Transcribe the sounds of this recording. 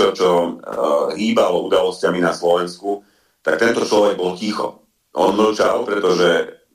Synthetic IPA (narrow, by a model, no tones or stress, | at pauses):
ɔt͡ʃɔ | ɦiːbalɔud̪alɔscaminaslɔʋɛnsku | t̪ak̚t̪ɛnt̪ɔt͡ʃlɔʋɛɡ̚bɔlcixɔ̰ | ʔɔ̰nml̩t͡ʃa̰lpɾɛt̪ɔʒɛ